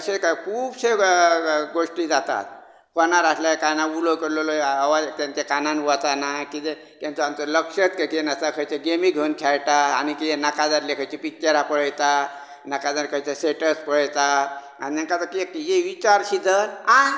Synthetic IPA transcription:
əɕekajkʰuːbse | ɡoʂʈid͡zat̪a̰t̪̚ | kɔnaɾaslajekajnaulokəɾloloaʋat̪jãnt͡ɕakananʋat̪anakit̪e | k̪ãnt̪uamt͡sələkʂət̪kajkit̪enast̪akʰəjt͡ɕeɡemiɡʱənkʰaɭʈaːñikit̪enakad͡zaɾlekʰəjt͡ɕipikt͡ɕeɾapəɭəjt̪a | nakad͡zaɾkʰəjt͡ɕaseʈəspəɭəjt̪a | a̰ninaŋkat̪əkijeʋit͡ɕaɾɕid̪ʱəɾa

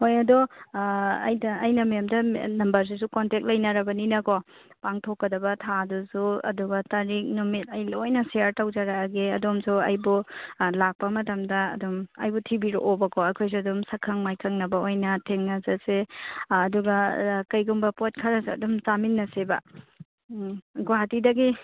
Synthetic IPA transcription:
hojɐdo | ɐ̰jdɐːjnɐmɐjamdɐnɐmbɐɾs̬is̬ukontek̚lɐjnɐɾɐbɐninɐkʰɔ | paŋtʰokːɐdɐbɐtʰadusuɐ̰duɡɐtɐɾik̚numit̚ɐjlojnɐseaɾtawd͡ʒaɾaɡeɐdomsuɐjbulak̚pɐmɐtɐmdɐɐ̰dumɐ̰jbutʰibiɾo̰ʔobɐkʰɔɐkʰojs̬uɐdumsɐkʰɐŋmajkʰɐŋnɐbɐojnɐtʰeŋnɐzɐseː | duɡɐkɐjɡuŋbɐpot̚kʰɐɾɐsɐ̰dumt͡ʃaminːɐsebɐ̰ | ɡwatidɐɡi

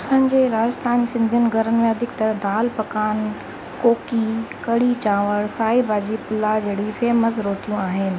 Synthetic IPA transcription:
sənɪ̆d͡ʑeːɾaːd͡ʑəst̪ʰaːnisɪ̃nd̪ʱjənɪ̆ɡʱɐɾənɪ̆mẽɐd̪ʱɪkt̪ɐɾəɦd̪aːlpɐkaːn | koːkikɐɽit͡ɕaːʋəɽsaːibaːd͡ʑipʊlad͡ʑeːɽifeːɦməs̬ɾoːʈijũaːɦɪnɪ̆

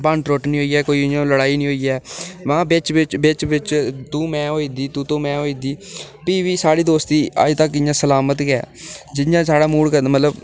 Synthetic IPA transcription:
paɳʈɾoːʈnĩɦoːiːɛːkoːiːɪjãːləɽaːiːnĩːɦoːiːɛːʋãːbɪt͡ʃʋɪt͡ʃbɪt͡ʃʋɪt͡ʃt̪ũːmɛ̃ːɦoːiːd̪iːt̪ũːt̪õːmɛ̃ːɦoːiːd̪iː | piːʋiːsaːɽiːd̪oːst̪iːə̰d͡ʒt̪əkɪjãːsəlaːmət̪ɡɛ̰ːd͡ʒɪjãːsaːɽaːmuːɽkəmət̪ləb

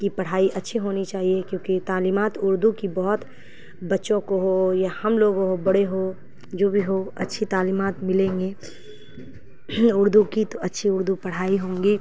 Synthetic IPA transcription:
kipɐɽ̤aːiʔɐtːʃʰiɦoːnit͡ʃaːɦiekjõːkit̪aːliːmaːt̪ʊɾd̪ʱukibɐɦʊt̪ | bɐtːʃõkoɦojahɐmloːɡõɦobɐɽeɦo | d͡ʒoːbʱiɦoɐ̰tːʃʰit̪aːliːmaːt̪mɪlẽːŋɡe | ʊɾd̪ʱukit̪oɐtːʃʰiʊɾd̪ʱupɐɽ̤aːiɦõːŋɡiː

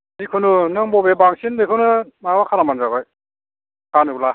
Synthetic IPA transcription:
nikʰɯnunɯŋbɔbebaŋsindɯkʰɯnɯmawakʰanamanzabaj | kʰanɯla

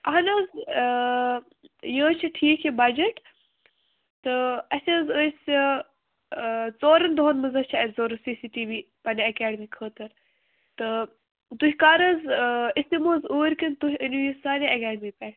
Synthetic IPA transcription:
ɐɦɐnɐz | jə̃ːt͡ʃʰiʈʰiːkʰebɐd͡ʒɐʈ | t̪ɨɐsʲɐːzəːsʲ | t͡soːɾɐnd̪oːnmɨzɐt͡ʃʰiɐzoːɾɐsiːsiːʈiːʋiː | pɐneɐkaːɖəmiːkʰəːt̪ɐɾ | t̪ɨ | d̪uɦʲkaːɾɐzisimoːzuːɾʲkɐnt̪uɦʲəniʋisaːneɐkaːɖmiːpʲɛː

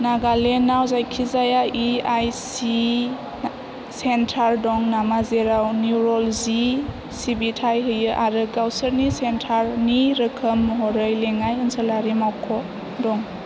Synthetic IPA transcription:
naɡalenawzajkʰizajaʔiajsi | sentʰaɾdɔŋnamazeɾawniuɾɔlzi | sibitʰajɦɯjɯʔaɾɯɡawsəɾnisentʰaɾniɾɯkʰəmːɦɔɾɯjleŋajɯnsəlaɾimawkʰɔ | dɔŋ

